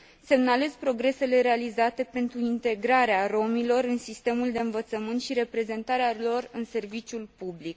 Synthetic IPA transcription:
se̞mnale̞zpɾo̞ɡɾe̞se̞le̞ɾe̞alizat̪e̞pe̞nt̪ɾuint̪e̞ɡɾaɾearo̞milo̞ɾɨnsist̪e̞muld̪e̞ɨnvət̪səmɨnt̪ʃiɾe̞pɾe̞ze̞nt̪aɾealo̞rɨnse̞rvit͡ʃjulpublik

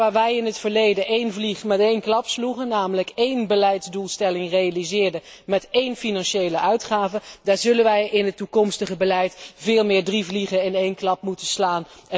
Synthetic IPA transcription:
aːɹʋɛjɪnɦətfəɹlejdəʔejnvliχmɛtejnklɑpsluχənːaːmələkejnbəlɛjtzdulˠstɛlɪŋrejalizɪːɹdə | mɛtejnfinɑnʃejləʔœɥtχaːvədaːɹzɵlənʋɛjɪnɦətːukɔmstəχəbəlɛjtvɪːlˠmɪːɹdrivliχənɪnejnklɑpmutənslaːn

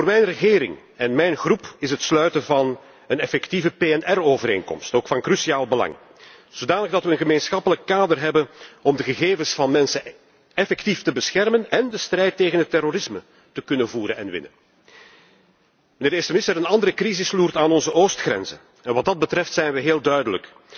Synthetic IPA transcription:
voːrmɛjnrəɣeːɾɪ̰ŋ | ɛnmɛjnxrupɪsɦətslœɥtənvɑn | ənɛfɛktivəpeːɛnɛroːvəɾḛːnkɔ̰mstoːkfɑnkrysiaːlˠbəlɑ̰ŋ | z̥odaːnəɣdɑtʋəːnɣəmeːnsxɑpələkːaːdərɦɛbənɔmdəɣəɣeːvəsfɑnmɛnsə | ɛfɛktiftəbəsxɛrmənɛndəstrɛjtːeːɣənɦətːɛroɾɪsmə | təkɵnənvuːɾənɛ̰nʋɪ̰nə̰n | mənɪːrdestəmɪstəɾənɑndəɾəkrizɪsluːrtaːnɔnzəʔoːstxrɛ̰nzə̰n | ɛnʋɑt̚dɑd̚bətrɛftsɛjnʋəɦeːlˠdœɥdələ̰k

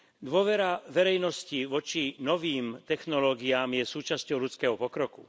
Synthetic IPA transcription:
d̪ʊɔʋɛɾaʋɛɾɛjnɔsciʋɔt͡ʃinɔʋiːmt̪ɛxnɔlɔːɡiaːmjɛsuːt͡ʃascɔʊlut͡skɛːɦɔpɔkɾɔku

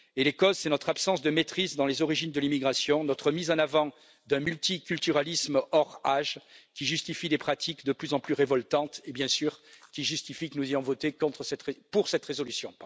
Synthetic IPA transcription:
elekɔzsɛnɔt̪χapsɑ̃sd̪əmet̪χizd̪ɑ̃lezɔʁiʒind̪əlimiɡʁasjɔ̃nɔt̪χəmizɑ̃navɑ̃ | d̪ɛ̃mylt̪ikʲylt̪yʁalismɔʁaʒkʲiʒyst̪ifid̪epχat̪ʰikd̪əplyzɑ̃plyʁevɔlt̪ɑ̃t̪ebjɛ̃syʁkʲiʒyst̪ifikənuzejɔ̃vɔt̪ekɔ̃t̪χəsɛt̪epuʁsɛt̪ʁezɔlysjɔ̰̃

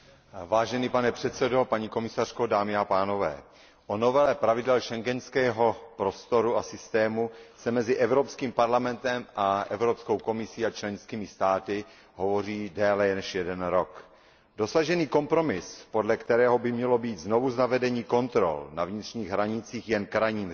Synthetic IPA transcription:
vaːʒɛniːpanɛpr̥ɛt̪sɛdo̞paɲiko̞mɪsar̝̥ko̞daːmɪapaːno̞vɛ̰ː | ʔono̞vɛlɛpɾavɪdɛlʃɛŋɡɛnskɛːɦo̞pɾo̞st̪o̞ɾuasɪst̪ɛːmusɛmɛzɪʔɛvɾopskiːmpaɾlamɛnt̪ɛmʔaʔɛvɾo̞psko̞wko̞mɪsiːat͡ʃlɛnskiːmɪst̪aːt̪ɪ | ɦo̞vo̞riːdɛːlɛnɛʃjɛdɛnɾo̞k | do̞saʒɛniːko̞mpɾo̞mɪspo̞dlɛkt̪ɛɾɛːɦo̞bɪmɲɛlo̞biːt̪zno̞vuznavɛdɛɲiːko̞nt̪ɾo̞̰lnavɲɪt̪r̝̥ɲiːɣɦɾaɲɪt͡siːxjɛnkɾajɲiːm

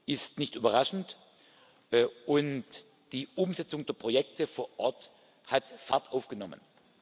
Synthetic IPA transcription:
ʔɪstnɪçtʔyːbɐʁaʃn̩tː | ʔʊnt | d̥iːʔʊmzɛt͡sʊŋdeːɐpʁ̥ojɛk̚tʰəfoːɐʔɔɐt | hatfaɐtʔaʊfɡ̥ənɔmə̰n

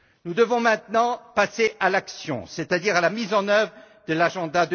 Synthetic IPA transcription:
nud̪əvɔ̃mɛ̃t̪nɑ̃paseʔalaksjɔ̰̃sɛt̪ad̪iʁalamizɑ̃nœvʁə | d̪əlaʒɑ̃d̪ad̪ə

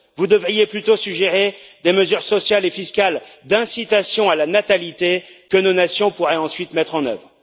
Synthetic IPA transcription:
vud̪əvʁijeplyt̪osykʒeʁed̪eməzyʁsɔsjalefiskʲald̪ɛ̃sit̪asjɔ̃alanat̪alit̪ekənonasjɔ̃puʁɛɑ̃sɥit̪mɛt̪χɑ̃nœ̰vʁ

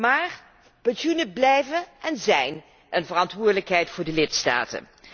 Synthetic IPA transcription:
maːɹ | pɛnsunəblɛjvənʔɛnzɛjn | ənvərɑntʋʊːdələkɦɛjtfʊːɹdəlɪtsta̰ːtə̰n

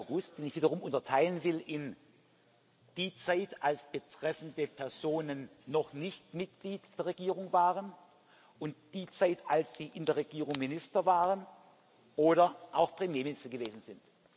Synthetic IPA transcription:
ʁʊsd̥eːnɪçv̥iːdɐʁʊmʔʊntɐtʰaɪlənvɪlʔɪn | d̥iːt͡saɪtalsb̥ətʁ̥ɛfn̩dəpʰɛɐzoːnənːɔχnɪçtmɪt̚ɡ̥liːtd̥eːɐʁeɡiːʁʊŋvaːʁən | ʊntd̥iːt͡saɪtalsz̥iːʔɪndeːɐʁeɡiːʁʊŋmɪnɪstɐvaːʁən | ʔoːɾɐʔaʊxpʁ̥emjeːmɪnɪstɐɡəveːzn̩zɪnt

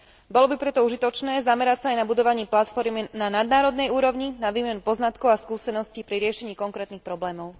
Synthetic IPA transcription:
bɔlɔbipɾɛt̪ɔuʒit̪ɔt͡ʃnɛːzamɛɾacsaːjnabud̪ɔʋaɲɪɛplat̪fɔɾminanad̪naːɾɔd̪nɛjuːɾɔʊɲinaʋiːmɛnupɔznat̪kɔʊaskuːsɛnɔscipɾiɾɪɛʃɛɲiːkɔŋkɾɛːt̪nixpɾɔblɛːmɔʊ

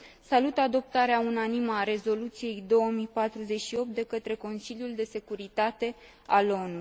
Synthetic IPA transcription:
salut̪ad̪o̞p̚t̪aɾeaunaniməaɾe̞zo̞lut̪sije̞jd̪o̞wəmijpat̪ɾuze̞t͡ʃʃio̞p̚t̪̚d̪e̞kət̪ɾe̞ko̞nsiljuld̪e̞se̞kuɾit̪at̪e̞ | alo̞nu

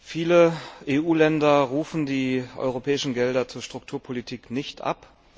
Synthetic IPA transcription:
fiːləʔeːʔuːlɛndɐʁuːfn̩diːʔɔ̰ʏʁopʰɛːɪʃn̩ɡɛldɐt͡suːɐʃtʁ̥ʊk̚tʰuːɐpʰolitʰiːknɪçtʔa̰p

